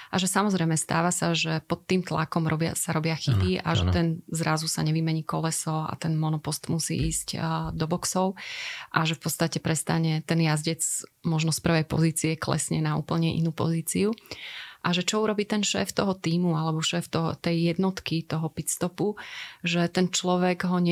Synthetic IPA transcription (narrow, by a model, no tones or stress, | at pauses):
ʔaʒɛsamɔzɾɛjmɛst̪a̰ːʋasaʒɛpɔt̪ːiːmt̪lakɔmɾɔbɪa̰saɾɔbɪaxibia̰ʒɛt̪ɛnzɾazusaɲɛʋimɛɲiːkɔlɛsɔa̰t̪ɛnmɔnɔpɔst̪musḭːʔiːscd̪ɔbɔksɔʊʔaʒɛfpɔtt͡sst̪acɛpɾɛst̪aɲɛt̪ɛnjazɟɛt͡smɔʒnɔspr̩ʋɛjpɔ̰ziːt͡siɛklɛ̰sɲɛnaṵːpl̩ɲɛʔḭnupɔ̰ziːt͡siuʔaʒɛt͡ʃɔuɾɔbiːt̪ɛnʃɛ̰ːft̪ɔɦɔt̪iːmualɛbɔʃɛːft̪ɔɦt̪ɛjːɛd̪nɔt̪kit̪ɔɦɔpit̪st̪ɔpuʒɛt̪ɛnt͡ʃlɔʋɛɡɦɔɲɛ